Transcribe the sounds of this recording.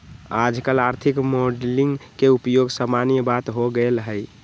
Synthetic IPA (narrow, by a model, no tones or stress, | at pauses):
ad͡ʒkəlaɾt̪ʰikmoɖliŋɡkeupjoɡsəmanijəbat̪ɦoɡəlɦəj